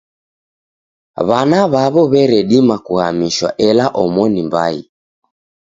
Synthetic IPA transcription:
βanaβaβɔβɛɾɛɗimakuhamiʃwa̰ʔɛlaʔɔmɔnimba̰ḭ

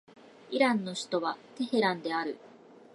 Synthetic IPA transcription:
iɾãnːo̞ɕi̥t̪o̞βat̪e̞he̞ɾãnd̪e̞aɾɯ̟

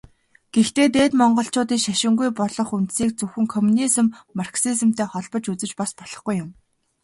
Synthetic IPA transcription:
ɡ̥ext̪eːt̪eːt̪mɔɴɢɞ̆ɬt͡ɕʊːt̪iːŋʃæʃɪ̆ŋɡujpɔɮɞ̆χunt̪siːk̚t͡sɵxɘ̆ŋkʰɔmunisɘ̆mːarksiz̆m̥t̪ʰeːχɔɮpɞ̆t͡ɕut͡sɘ̆t͡ɕpaspɔɮ̥ɞ̆χɡujːʊm

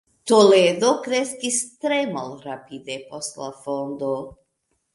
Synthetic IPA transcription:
t̪oled̪okɾeskist̪ɾemalɾapid̪epost̪lafond̪o

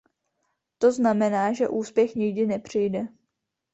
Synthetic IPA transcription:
t̪o̞znamɛnaːʒɛ̰ʔuːspjɛxɲɪɡdɪnɛpr̝̥ɪjdɛ

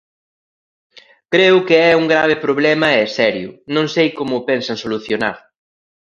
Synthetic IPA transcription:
kɾeʊkɪɛuŋɡɾaβ̞ɪpɾoβlɛmɐɛsɛɾjʊnõŋsejkomʊːpɛnsɐŋsoluθjona̰ɾ

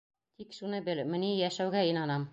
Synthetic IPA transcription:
t̪ikʃunɤbɘlmɘ̆nijæʃæwɡæinɑnɑm

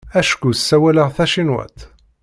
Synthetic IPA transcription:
æʃkusːæwæləʁθæʃinwæ̰t̪

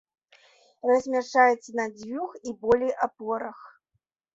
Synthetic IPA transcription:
rɐzʲmʲaʂajɛt̪sːɐnad͡zʲvʲuxibɔlʲɛjʔapɔɾɐx

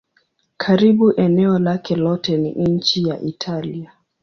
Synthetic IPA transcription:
kʰaɾiɓuʔɛnɛɔlakʰɛlɔtɛnḭɲ̩t͡ʃija̰ʔitʰalia

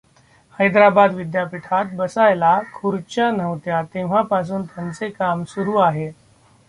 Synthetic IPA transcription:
həjd̪ɾabad̪ʋid̪japiʈʰat̪̚bəsajlakʰuɾt͡ɕanəʋt̪jat̪eʋ̤apas̬uːnt̪jant͡sekamsuɾuːaɦe

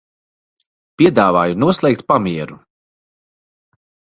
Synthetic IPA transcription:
pʲiɛd̪aːvaːjunuɔslˠɛjk̚t̪̚pamiɛɾu

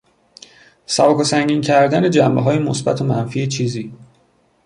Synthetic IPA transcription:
sæbɒːkʰosæŋɟiːncʰæɾd̪æne̞d͡ʒæmbeɦɒːjemosbæ̰t̪ʰomænfiːet͡ʃʰiːziː

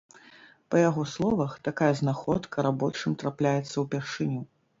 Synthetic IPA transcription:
pɐjaɣɔslˠɔvɐxt̪akajɐznaxɔt̪kʰɐɾabɔt͡ʂɨmt̪ɾaplʲajɛt̪sːɐwpʲaʂɨnʲu

